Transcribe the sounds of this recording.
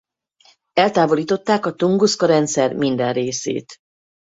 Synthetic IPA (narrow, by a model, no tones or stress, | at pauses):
ɛlt̪aːvo̞liːt̪o̞t̪ːaːkɒt̪oŋɡuskɒɾɛnt̪sɛrmind̪ɛnreːsḛːt̪